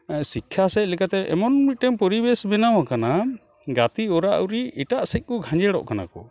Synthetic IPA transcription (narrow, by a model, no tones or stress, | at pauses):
sikʰːjasɛc̪̚lɛkat̪ɛʔɛmɔnmit̪̚ˀʈɛmpɔɾibɛsbɛnawakana | ɡat̪iɔɾaʔuɾiiʈaʔsɛc̪̚kuɡʱãɲd͡ʒɛɽɔ̰ʔkana̰kɔ